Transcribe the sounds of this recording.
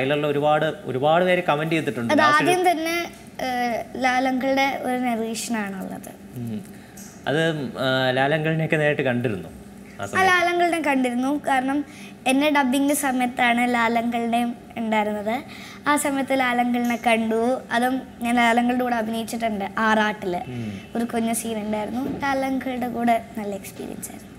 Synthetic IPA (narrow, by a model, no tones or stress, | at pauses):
ɐjilɐlːɐoɾubaːɽɨo̰ɾubaːɽɨʋeːɾekɐmɐndiet̪ːiʈːuɳɖɨɐðaːjɐmt̪ɐnːe̞ | laːlɐŋɡɐɭɨɽe̞o̞ɾuneriːʂɐnɐaːɳɨɐ̰lːɐ̰ðɨ̰ | ɐ̰ðɨlaːlɐŋɡɐɭineokːɨneːɾjiʈːɨkɐɳɖiɾunːu | a̰ːsɐaːlaːlɐŋɡɐɭnekɐɳɖiɾunːukaːɾɐɳɐm | e̞nːeɖɐbːiŋɡilɨsɐmɐjɐt̪ːaːɳɨlaːlɐŋɡɐɭinejum | eɳɖaːjiɾunːɐðɨ | aːsɐmɐjɐt̪ːɨlaːlɐŋɡɐɭinekɐɳɖuɐðum | ɲaːnlaːlɐŋɡɐɭɽekuːɽeɐbʱinejit͡ɕːiʈːɨɳɖɨʔaːraːʈːiloɾukoɲːusiːneɳɖaːjiɾunːulaːlɐŋɡɐɭɽekuːɽenɐlːɐekspḭːɾḭɐ̰nsa̰ːjɾunːu